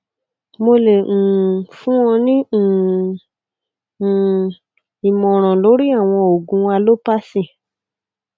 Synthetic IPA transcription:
mo˧le˨ŋ̩̃˨fũ˦wɔ̃˧nĩ˦˨ | i˨mɔ̃˨ɾ̃ɔ̃˨lo˨˦ɾi˦a˦˨w̃ɔ̃˧o˨ɡũ˧wa˧lo˦pa˦sĩ˦˨

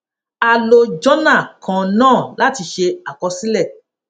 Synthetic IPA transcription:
a˧lo˧d͡ʒɔ˦nã˦˨kʰã˨nãː˦˨la˨˦ti˧ʃe˧a˨kɔ˧si˦lɛ˦˨

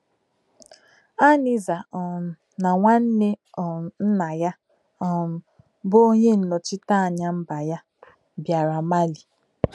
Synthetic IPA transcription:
a˦ni˨za˨ | na˨ŋʷa˦n̩˦ne˦˨n̩˦na˨ja˦ | ɔ˨ | bo˦o˦ɲe˦n̩˨nɔ˨t͡ʃɪ˦ta˦a˨ɲa˦m̩˦ba˨ja˦ | bja˨ɾa˨ma˦li˨

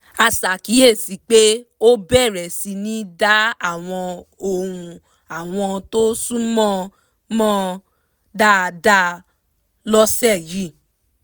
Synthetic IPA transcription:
a˧sa˨ki˨˦je˦˨si˨k͡pe˦o˦bɛ˦˨ɾɛ˨si˧nĩ˦da˦a˦˨w̃ɔ̃˧o˧hũ˧ | a˨w̃ɔ̃˧to˦sũ˦mɔ̃˦ | mɔ̃˦ | da˦˨da˦ | lɔ˦sɛ˦˨ji˦

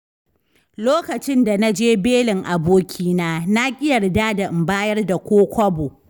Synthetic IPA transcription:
loː˦kɐ˨t͡ʃɪ˦nda˨na˦d͡ʒeː˦beː˦lɪ˨ŋʔa˨boː˦kʲʰiː˦naː˦na˦kʲʼɪ˦jɐ˨rdaː˦da˨ʔɪ˨mbaː˦jɐ˦rda˨kʷoː˦kʷɐ˦boː˨

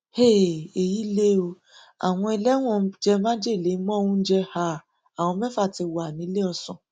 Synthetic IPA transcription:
he˦˨e˨ji˨˦le˦o˧ | a̰˨w̃ɔ̃˧ɛ˧lɛ˦w̃ɔ̃˦˨˦d͡ʒɛ˧mã˦d͡ʒe˦˨le˨˦mɔ̃˦˧wũ˦n̩˦d͡ʒɛ˧ha˧˨ | a˨w̃ɔ̃˧mɛ̃˦fa˦˨ti˧wa˨nĩ˨˦le˦ɔ˧sɔ̃˨

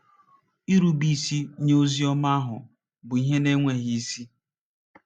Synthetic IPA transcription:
i˦ɾu˦bi˦˨si˦ɲ˦o˦zi˦ɔ˦ma˦a˦ɦʊ̰˨ | bʊ˨i˦ɦe˦ne˦ŋʷe˦ɦi˨i˦si˦

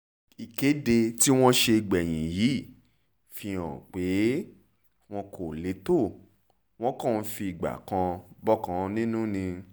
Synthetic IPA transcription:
i˨ke˨˦de˧ti˦w̃ɔ̃˦ʃe˧i˨ɡ͡bɛ˨j̃ĩ˨ji˨˦˨ | fi˧ɔ̃˨k͡pe˨˦ | w̃ɔ̃˧˦kʰo˨le˨˦to˦˨ | w̃ɔ̃˦kɔ̃˦˨n̩˦fi˧i˨ɡ͡ba̰˨kã˧bɔ˦kã˨˧nĩ˦nũ˦nĩ˧

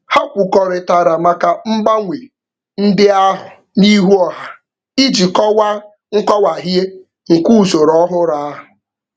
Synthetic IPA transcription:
ha˦kʷʊ˨kɔ˨ɾɪ˨ta˨ɾa˨ma˨ka˨m̩˦ɡ͡ba˦ŋʷe˨ | n̩˦dɪ˦a˦ɦʊ˨ | ni˦ɦu˦ɔ˦ɦa˨ | i˦d͡ʒi˨kɔ˦wa˦ | ŋ̩˦kɔ˦wa˨ɦje˦ | ŋ̩˨ku˦u˨so˨ɾɔ˦ɦʊ˦ɾa˦a˦ɦʊ˨

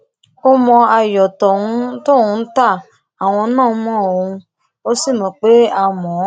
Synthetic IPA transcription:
o˦mɔ̃˧a˧jɔ˨tɔ˨ũ˨˦to˦˨ũ˧˦n̩˦ta˦˨ | a˨w̃ɔ̃˧˦nãː˦˨˦mɔ̃˦˨o˧ũ˧ | o˦si˦˨mɔ̃˨˧k͡pe˦a˦˨mɔ̃˨˦

